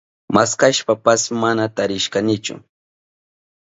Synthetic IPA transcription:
maskaʃpapasmanat̪aɾɪʃkanɪt͡ʃʊ̰

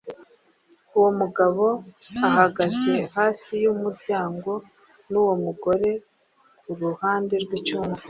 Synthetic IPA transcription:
uwo̞muɡaβo̞aɦaɡaze̞haːsijumuɾɟaːŋɡo̞ | nuwo̞muɡo̞ɾe̞ | kuɾuhaːnde̞ɾɡwit͡ʃuːmve

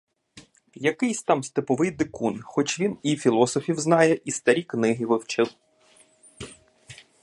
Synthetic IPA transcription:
jɐkɪjsʲt̪ɑmst̪ɪpɔʋɪjd̪ɪkunxɔt͡ʃʲʋʲinifʲilˠɔsɔfʲiwznɑjɛʔist̪ɐɾʲiknɪɦiʋɪwt͡ʃɪl

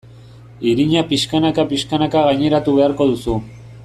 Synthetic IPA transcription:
iɾiɲapiʃkanakapiʃkanakaɣaɲe̞ɾat̪uβe̞aɾko̞ðusu

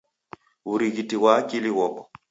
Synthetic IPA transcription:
uɾiɣitiɣwaːkiliwɔkɔ

